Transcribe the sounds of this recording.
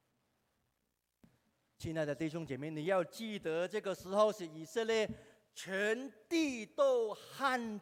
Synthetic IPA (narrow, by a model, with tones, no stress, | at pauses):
t͡ɕʰi˥˧na˥˧ɪd̪ə˨˩t̪i˥˩ɕjʊ˥ŋt͡ɕjɛ˨˩me˥˩ɪni˨˩jɑ˥˧ʊt͡ɕi˥˩t̪ə˧˦ʈ͡ʂɤ˥˩ɡə˩ʂɻ̩˧˥xo˥˧ʊʂɻ̩˨˩i˨˩sə˥˧ljɛ˥˩ | t͡ɕʰɥɛ˧˥nt̪i˥˧t̪o˥˧ʊxa˥˧n